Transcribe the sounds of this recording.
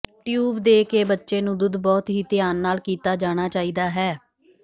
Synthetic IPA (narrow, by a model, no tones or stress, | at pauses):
ʈjuːbd̪eːkeːbətːʃeːnũːd̪ʊd̪bɔːt̪ɦiːt̪ɪjaːnːaːlkiːt̪aːd͡ʒaːɽ̃aːt͡ʃaːiːd̪aːɦɛː